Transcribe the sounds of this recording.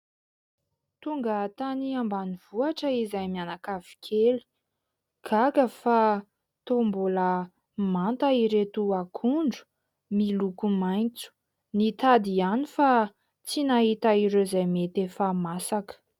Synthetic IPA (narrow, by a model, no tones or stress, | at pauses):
t̪uŋɡət̪aniambaniv̥uaʈ͡ʂəizajmianakavi̥kʰeli̥ | ɡ̥ʰakəfa | t̪ombulə | mant̪aiɾet̪uakʰuɳɖ͡ʐu̥ | milukumajnt͡su̥ | nit̪ad̪ianifa | t͡sinaɦit̪aiɾezajmet̪efamasakə̥